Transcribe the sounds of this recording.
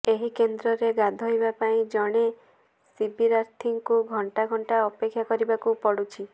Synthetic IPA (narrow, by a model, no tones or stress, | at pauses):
eɦikend̪ɾɔɾeɡad̪ʱɔɦjbapaĩd͡ʒɔɽ̃e | sibiɾaɾt̪ʰiŋkuɡʱɔɳʈaɡʱɔɳʈaɔpekʰːjakɔɾibakupɔɽut͡ʃʰi